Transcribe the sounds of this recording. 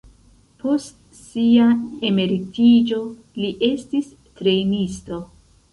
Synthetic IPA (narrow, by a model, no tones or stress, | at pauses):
po̞st | siae̞me̞ɾitid͡ʒo̞ | liʔe̞stis | tɾe̞nisto̞